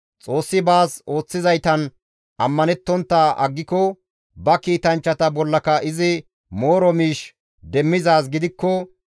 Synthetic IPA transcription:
t͡sʼo̞ːsːɪbaːso̞ːt͡sːɪzɐjt̪ɐn | ɐmːɐnɛt̪ːɔnt̪ːaːʔɐ̰ɡːɪkɔ | bɐkiːt̪ɐnt͡ʃːɐt̪ɐbɔlːɐkɐʔɪzɪ | mo̞ːɾɔmiːʃ | d̪ɛmːɪzaːs̬ɡɪd̪ɪkːɔ

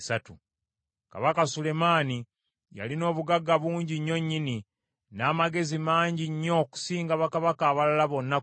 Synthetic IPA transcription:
satu | ka̰βakasule̞maːni | ja̰lino̞ːβuɡaɡːaβuːɲɟiɲːo̞ɲːini | naːmaɡe̞zimaːɲɟiɲːo̞ku̥siːŋɡaβakaβakaːβalalaβo̞nːa

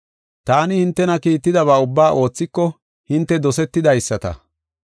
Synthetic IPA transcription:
t̪aːnɪhɪnt̪ːɛnɐkiːt̪ːɪd̪ɐβaːʊbːaːʔo̞ːt͡sːɪkːɔ | hɪnt̪ːɛd̪ɔsɛt̪ːɪd̪ɐjsːɐt̪ɐ̰

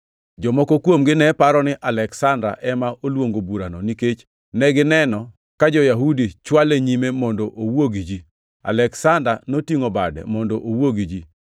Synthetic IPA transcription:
d͡ʒɔmɔkɔkwomɡɪnɛpaɾɔnɪʔalɛksandɾa̰ʔɛmaolwoŋɡobuɾanɔniket͡ʃ | nɛɡɪnɛnɔ | kad͡ʒɔjaɦudit͡ʃwaleɲimemɔndɔʔowoɡid͡ʒi | a̰lɛksandɾanotiŋobadɛ̰mɔndɔʔowoɡid͡ʒi

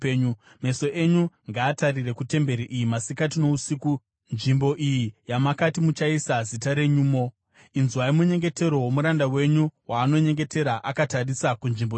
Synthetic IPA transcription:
ɲu | me̞so̞ʔe̞ɲuŋɡaːtarire̞kute̞mbe̞ɾiʔijimasikatino̞usiːku | nʐimbo̞ʔijijamakatimut͡ʃaisazitaɾe̞ɲuːmo̞ | inzuwaimuɲe̞ŋɡe̞te̞ɾo̞wo̞muɾandawe̞ɲuwaːno̞ɲe̞ŋɡe̞te̞ɾaʔakatarisakunʐimbo

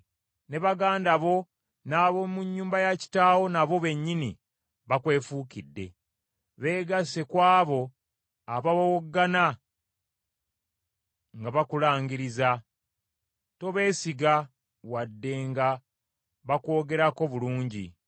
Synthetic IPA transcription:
ne̞βaɡaːndaβo̞ | naβo̞muɲːuːmbajaci̥taːwo̞naβo̞βe̞ɲːini | βakwe̞ːfukidːe̞̰ | βe̞ːɡase̞kwaːβo̞ | aβaβowoɡːana | ŋɡaβakulaːɲɟiɾiza | to̞βe̞ːsiɡa | wadːe̞ŋɡa | βako̞ːɡe̞ɾako̞βuluːɲɟḭ

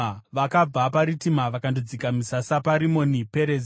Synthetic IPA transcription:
ʋakaapaɾitimaʋakandod͡zikamisasapaɾimo̞nipe̞ɾez

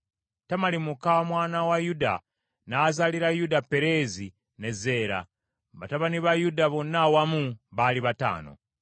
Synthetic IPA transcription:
tamalimukamwaːnawajuda̰ | naːzaliɾajudapːe̞ɾe̞zi | ne̞ze̞ːɾa̰ | βa̰taβaniβajudaβo̞nːawamuβaliβata̰ːno̞̰

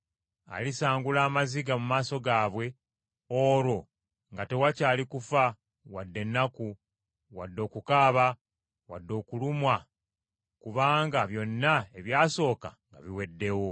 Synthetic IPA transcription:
a̰lisaːŋɡulaːmaziɡamumaːso̞ɡaːβwe̞ | oɾo̞ | ŋɡate̞wacaːlikufa | wadːe̞nːaku | wadːo̞ːkukaːβa | wadːo̞ːkulumwa | kuβaːŋɡaβjo̞nːae̞βjaːso̞ːkaŋɡa̰βiwe̞dːe̞wo̞

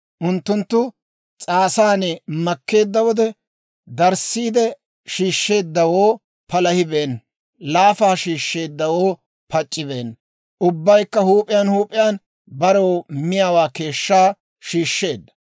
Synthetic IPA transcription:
ʔʊnt̪ːʊnt̪ːʊ | t͡sʼaːsaːnɛmɐkːe̞ːd̪ːɐwɔd̪ɛ | d̪ɐɾsiːd̪ɛ | ʃiːʃːe̞ːd̪ːɐwoː | pɐlɐhɪbe̞ːn | laːfaːʃiːʃːe̞ːd̪ːɐwo̞ː | pɐt͡ʃʼːɪbe̞ːn | ʔʊbːɐjkːɐhuːpʼɪjanhuːpʼɪjaːn | bɐɾowmɪjawaːke̞ːʃːaː | ʃiːʃːe̞ːd̪ːɐ̥

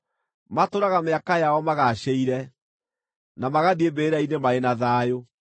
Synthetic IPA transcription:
matoɾaɣameakajaɔmaɣaɕeiɾɛ | namaɣadiebeɾainemaenaðaːjo

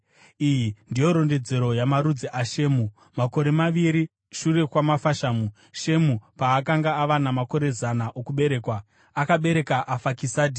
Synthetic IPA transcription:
ijindijo̞ɾo̞nde̞d͡ze̞ɾo̞jamaɾud͡ziʔaʃe̞ːmu | mako̞ɾe̞maʋiɾi | ʃure̞kwamafaʃaːmu | ʃe̞mupaːkaŋɡaːʋanamako̞ɾe̞zanaʔokuɓe̞ɾe̞ːkwa | akaɓe̞ɾe̞kaʔafakisaːdʱi

